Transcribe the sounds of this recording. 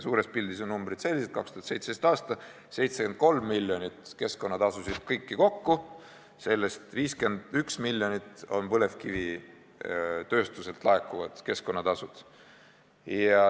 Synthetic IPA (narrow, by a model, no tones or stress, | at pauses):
suːɾespild̪iso̞nnumb̥ɾit̪se̞lʲːis̬et̪̚kɑkst̪uhɑt̪se̞jt̪sest̪ɑːst̪ɑ | se̞jt̪seke̞nd̪̚ko̞lmːilʲːjo̞nʲit̪ke̞sko̞nːɑt̪ɑsusid̪̥kɤjkːiko̞kːu | se̞lːe̞st̪viːske̞nd̪̥yksmilʲːjo̞nit̪o̞npɤle̞vkivi | t̪ø̞ːst̪use̞lt̪ˑlɑekːuvɑd̪̥ke̞sko̞nːɑt̪ɑsud̪̥ | jɑ